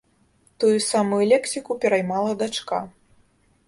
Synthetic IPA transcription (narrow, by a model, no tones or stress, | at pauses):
t̪ujusamujulʲɛksʲikupʲɛɾajmalˠɐd̪at͡ʂka